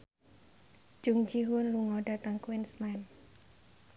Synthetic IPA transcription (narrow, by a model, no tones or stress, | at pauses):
d͡ʒ̥uŋd͡ʒiɦʊnluŋɔɖa̤t̪əŋkwɪnsnɛn